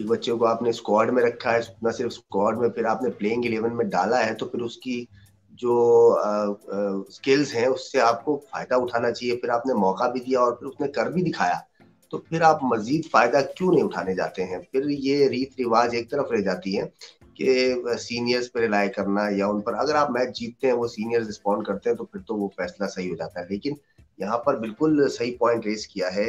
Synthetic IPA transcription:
eːkbɐt̪ːʃẽkoaːpneskɔːɾɖmẽɾɐkʰːaɦɛst̪nasɪɾfskɔːɾɖmẽpʰɪɾaːpnepleːɪ̃ŋɡɪleːʋənmẽɖa̰ːlaɦɛt̪opʰɪɾʊski | d͡ʒoː | skɪlzɦɛ̃ʊsːeaːp̚kofa̰ːɪd̪aʊʈʰaːnat͡ʃaːɦiepʰɪɾaːpnemɔːkabʱid̪ijaɔːɾpʰɪɾʊsnekɐɾbʱid̪ɪkʰa̰ːja̰ː | t̪opʰɪɾaːpmɐziːd̪faːɪd̪akjũːnɐɦĩʊʈʰaːned͡ʒa̰ːt̪eɦɛ̃pʰɪɾjeɾiːt̪ʰɾɪʋaːd͡ʒeːk̚t̪ɐɾəfɾed͡ʒaːt̪iɦɛ̃ː | kesiːnijəɾzpeɾɪlaːekɐɾnajaʊnpɐɾɐɡəɾaːpmɛːt̪d͡ʒiːt̪̚ːeɦɛ̃ʋosiːnijəɾzɾɪspɔ̃ːɳɖ̚kɐɾt̪ẽɦɛ̃t̪ofʰɪɾt̪oʋofɛːslasɐɦiɦod͡ʒaːt̪aɦɛleːkɪn | jɐɦãpɐɾbɪlkʊlsɐɦipɔ̃ːɪ̃ɳʈɾeːskijaɦɛː

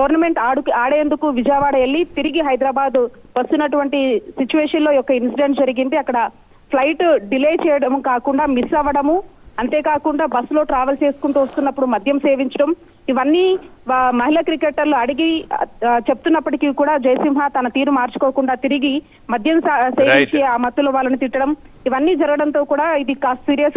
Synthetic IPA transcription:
ɡɐʋɐɾnɐme̞ɳʈaːɽukaːɽeːnd̪ukuʋid͡ʒɐːʋaːɽɐelːit̪iɾiɡiɦɐjd̪ɾaːbaːd̪u | ʋɐst̪unːɐʈuʋɐɳʈisit͡ʃuʋeːʂɐnlo̞ːjɔkːɐinsiɖeɳʈd͡ʒɐɾiɡind̪iɐkːɐɽɐ | pʰlɐjʈɖileːt͡ʃɛːjɐɽɐmukaːkuɳɖaːmisɐʋɐɽɐmuɐnt̪e̞ːkaːkuɳɖaːbɐsːlo̞ːʈɾaːʋelt͡ʃe̞ːsu̥kuɳʈuːʋɐst̪unːɐpːuɽumɐd̪ʱjɐmse̞ːʋiɲt͡ʃɐɽɐm | iʋɐnːiːmɐɦilɐkɾikeʈːɐɾluɐɽiɡi | t͡ʃe̞put̪unːɐpːɐʈikikuːɽaːd͡ʒɐjɐsimɦɐt̪ɐnɐt̪iːɾumaːɾt͡ʃu̥koːkuɳɖaːt̪iɾiɡi | mɐd̪ʱjɐmseːʋiɲt͡ʃiaːmɐt̪ːuloːʋaːlːɐnut̪iʈːɐɽɐm | iʋɐnːiːd͡ʒɐɾɐɡɐɽɐnt̪o̞ːkuːɽaːid̪ikaːsʈsiːɾijɐs

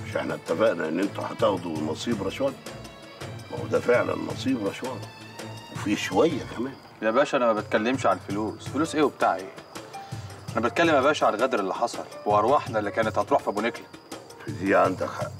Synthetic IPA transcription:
ʃʔḛħnæb̚t̪ːæbæʔnæʔɪnːʔent̪uħa̰t̪ɑɣd̪unːɑsˤiːbɾˤɑʃwæjː | mæ̰hṵd̪æfeʕlæ̰nnːʔɑ̰sˤiːbɾˤɑʃwæj | wefiʃowæjːækæmæːn | jæbæːʃʔænæmæbæt̪kælːemʃʕaælfoluːsfeluːsʔeːwebt̪aːʕḭ | ʔænæbæt̪kælːemːæbæːʔʃʕaælɣæd̪ɾelːiħɑsˤɑlwweʔɑɾˤwɑħnæelːikæːnæt̪hɑt̪ˤɾuːħfibuneklæ | fizijːʕant̪æxæ

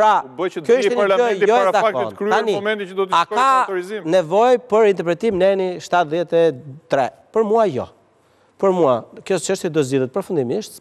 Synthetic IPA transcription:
pɾabəjt͡ʃəkjɔiʃɛnɾlaɔjɔɾazaaktɔnkɾaniɔmɛ̃nt̪it͡ʃəd̪ɔt̪akɔaɔɾizimnɛvɔjpəɾint̪ɛɾpɾɛt̪imnɛniʃt̪at̪ðjɛt̪ɛt̪ɾɛ | pəɾmuajɔ̰ | pəɾmuakjɔt͡ʃəʃt̪jɛd̪ɔzd͡ʑiðɛt̪̚pɾɔfund̪imiʃt̪

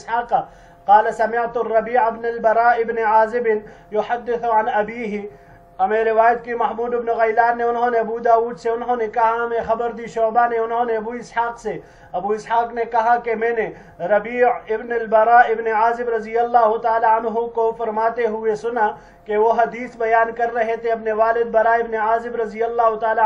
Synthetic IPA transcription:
saːq | qaːlɐsɐmɪʕt̪ʊrːɐbiːʕɪbnɐlbɐɾaːɪbneʕaːzɪbɪn | jʊħɐd̪ːɪθʕɐnɐbiːɦɪ | ɐmẽɾɪʋaːjət̪kimɐɦmuːd̪ɪbnoɣɐjlaːneʊnɦõneɐbuːd̪aːuːd̪seʊnɦõːnekɐɦaɐmẽxɐbəɾd̪iːʃɔːbaneʊnɦõneɐbuːɪsħaːqse | ɐbuːɪshaːqnekɐɦakemɛ̃ːne | ɾɐbiːɪbnɐlbɐɾaɪbneaːzɪbɾɐzijɐlːaːɦʊt̪aːlaɐnɦukofɐɾmaːt̪eɦʊesʊna | keʋoɦɐd̪iːsbɐjaːnkɐɾːɐɦet̪ʰeɐbneʋaːlɪd̪̚bɐɾaːɪbneaːzɪbɾɐzijɐlːaːɦʊt̪aːla

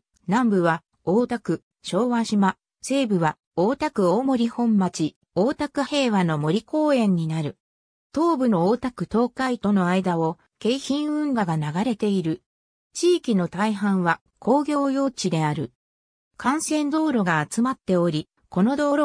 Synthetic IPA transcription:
nãmbɯ̟βa | oːt̪akɯ̟ | ɕo̞ːβaɕima | se̞ːbɯ̟βa | oːt̪akɯ̟oːmo̞ɾʲihõ̞mːat͡ɕi | o̞ːt̪akɯ̟he̞ːβano̞mo̞ɾʲiko̞ːẽ̞ɲ̟ːinaɾɯ̟ | t̪o̞ːbɯ̟no̞ːt̪akɯ̟t̪o̞ːkait̪o̞no̞aid̪ao̞ | ke̞içĩɰ̃ɯ̟̃ŋɡaɡanaɡaɾe̞t̪e̞iɾɯ̟ | t͡ɕiːkʲino̞t̪aiɦãɰ̃βa | kʰo̞ːɡʲo̞ːjo̞ːt͡ɕid̪e̞aɾɯ̟ | kʰãɰ̃sẽ̞nd̪o̞ːɾo̞ɡaːt͡sɨmat̪ːe̞o̞ɾʲi | ko̞no̞d̪oːɾo

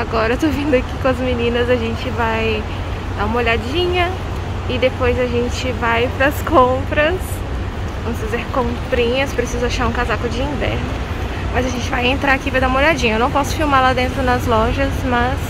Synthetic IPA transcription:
aɡɔɾɐet̪ovĩnd̪ʊakikõɐzminĩnɐzɐʒẽnt͡ʃɪvaj | d̪aũmɐoʎad͡ʒĩɲɐ | ɪd̪epojzɐʒẽnt͡ʃɪvajpɾɐskõpɾɐs | vɐ̃wmsfizɛɾkõpɾĩɲɐspɾesizʊaʃaɾũkazakʊd͡ʒɪĩvɛ̰ɾnʊ | mɐzɐʒẽnt͡ʃɪvajẽnt̪ɾaɾakivajd̪aumɐoʎad͡ʒĩɲɐewnɐ̃w̃pɔsʊ̥fiwmaɾlad̪ẽnt̪̬ɾʊnɐzlɔʒɐsmɐs

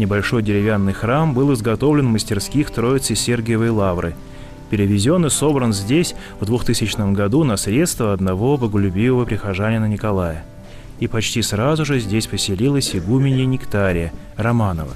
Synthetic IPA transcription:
nʲɪbɐlʲʂo̞jdʲɪɾʲɪvʲanːɨjxrambɨlˠɨzɡɐt̪o̞vlʲɪnvməsʲtʲɪrskʲixt̪ɾo̞ɪt̪sɨsʲerɡʲɪjəvəjlˠavɾɨ̰ | pʲɪɾʲɪvʲɪzʲo̞nːɨso̞bɾənzʲdʲesʲ | vd̪vʊxt̪ɨsʲɪt͡ɕnəmɡɐd̪unɐsɾʲet̪st̪vəɐd̪nɐvo̞bəɡəlʲʊbʲivəvəpɾʲɪxɐʐanʲɪjənənʲɪkɐlˠajə | ipɐt͡ɕtʲisrazʊʐɨzʲdʲesʲpəsʲɪlʲilˠəsʲɪɡumʲɪnʲɪnʲɪkt̪aɾʲɪjə | rɐmanəvə̰

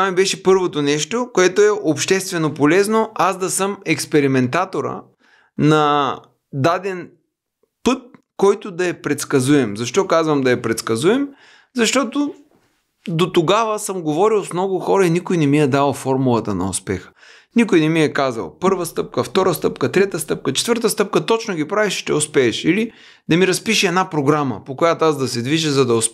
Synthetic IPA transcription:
t̪amibɛʃɛpɤɾvot̪onɛʃt̪okoɛt̪oɛʔopʃt̪ɛst̪vɛnopolɛznoʔasd̪ɐsɤmɛkspɛɾimɛnt̪at̪oɾə̰ | nɐ | d̪ad̪ɛn | pɤt̪̚kɔjt̪ʊd̪ɐɛpɾɛt̪skɐzuɛmzɐʃt̪ɔkazvəmd̪ɐɛpɾɛt̪skɐzuɛm | zɐʃt̪ɔt̪o | d̪ot̪oɡavəsəmɡovɔɾilˠsmnɔɡʊxɔɾɐinikʊjnɛmiɛd̪alˠfɔɾmulˠɐt̪ɐnɐ̰ʊ̰spɛxə̥ | nikʊjnɛmiɛkazɐ̰lˠpɤɾvəst̪ɤp̚kəft̪ɔɾəst̪ɤpkɐt̪ɾɛt̪əst̪ɤp̚kət͡ʃɛ̥t̪vəɾt̪əst̪ɤp̚kət̪ɔt͡ʃnʊɡʲipɾavɛʃt̪ɛʊspɛːʃili | d̪ɐmiɾɐspiʃɛd̪napɾoɡɾamɐ̰pokojat̪oazd̪ɐsɛd̪viʒəzɐd̪ɐʊs

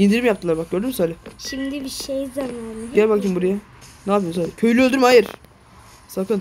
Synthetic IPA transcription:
ind̪iɾimjap̚t̪ʰɯlˠaɾbak̚ɟ̥ø̞ɾd̪ymysalʲɪʃimd̪ibiʃejzamanɟɛlʲbakʰɯmbuɾaja | naːpʰijosalʲcʰø̞jlʲyølʲd̪yɾmhajɯɾ | sakɯn

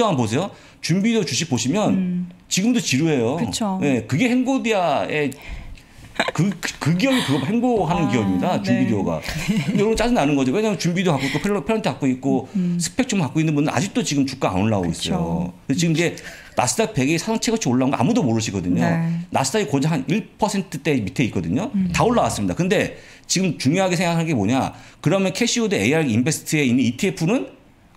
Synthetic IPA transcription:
ʌanpos̬ʰe̞jo | t͡ɕumbideot͡ɕuɕ̬ʰipoɕʰimjʌnt͡ɕiɡɯmdot͡ɕiɾuɦe̞jokɯt͡ɕʰoje̞kɯɡe̞heŋɡodiae | kɯkɯɡiʌbikɯɡʌheŋɡoɦanɯnkiʌbimɲidat͡ɕumbideoɡa̰kɯɯndejoɾmnt͡ɕ͈ad͡ʑinanɯnɡʌd͡ʑowe̞ɲamjʌnt͡ɕumbideokak͈oik͈opʰpʰeɾantʰekak͈oit̚k͈osʰɯ̥k̚pʰe̞k̚t͡ɕ͈omkak͈oinːɯnbundɯɾa̰d͡ʑik̚t͈ot͡ɕiɡɯmt͡ɕuk͈aa̰onːaoɡo̰is͈ʌjjo̰kɯet͡ɕiɡɯmid͡ʑe̞ | na̰s͈ʰɯ̥t͈ak̚pe̞ɡesʰasʰaŋt͡ɕʰeɡʌt͡ɕʰioɭːaunɡʌ̰ʔa̰mudomoɾɯɕ̬ʰiɡʌdɯɲona̰sʰɯ̥daɡikod͡ʑiɦaniɭpʰʌsʰe̞ntʰɯt͈e̞mitʰe̞it̚k͈ʌdɯɲotaoɭːawas͈ɯmɲida̰kɯnde̞ | t͡ɕiɡɯmt͡ɕuŋjoɦaɡesʰe̞ŋɡakʰaɭɡe̞moɲakɯɾʌmjʌnkʰeɕʰiodeejaɾimbe̞sʰɯ̥tʰɯe̞inːɯnitʰiepʰunɯn

